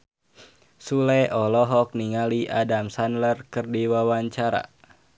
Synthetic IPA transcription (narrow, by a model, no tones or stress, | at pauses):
sulɛʔɔlɔɦɔk̚niŋaliʔadamsanlərkɨrdiwawaɲt͡ʃaɾa̰